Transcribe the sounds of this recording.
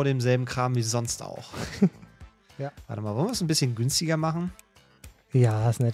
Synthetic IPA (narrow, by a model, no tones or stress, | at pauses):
ɾeːmzɛlbm̩kʁ̥aːmviːzɔnsta̰ʊx | va̰ːtəmaːlvɔlənviɪsnbɪsçənɡʏnstɪɡɐmaχn̩ | jaːɪsnɛ